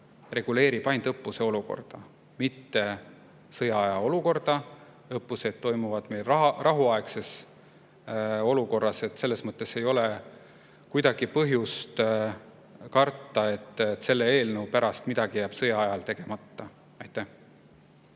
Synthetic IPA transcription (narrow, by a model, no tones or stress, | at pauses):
re̞ɡ̥ule̞ːɾipɑjnd̪̥ɤpːˑuse̞o̞luko̞̰rd̪̥ɑ | mit̪ːe̞ | sɤjɑɑjɑo̞luko̞rd̪̥ɑ | ɤpːˑuse̞d̪̥̚t̪ːo̞jmuvɑd̪̥me̞jlɑrʔɑɦuɑekse̞s | o̞luko̞rːɑse̞t̪se̞lːesmɤt̪ˑːe̞se̞jo̞le | kujd̪ɑɡ̥ipɤɦjust̪ | kɑrt̪ːˑɑe̞t̪ːˑt̪ːse̞lːe̞e̞ːlnewpæɾɑst̪mid̪̥ɑɡ̥ijæːb̥sɤjɑɑjɑlt̪e̞ɡ̥e̞mɑt̪ːɑ | ɑjt̪ːæh